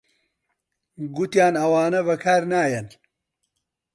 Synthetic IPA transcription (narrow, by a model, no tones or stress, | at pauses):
ɡut̪jaːnɐwaːnɐβɐkʰaːɾnaːjɐn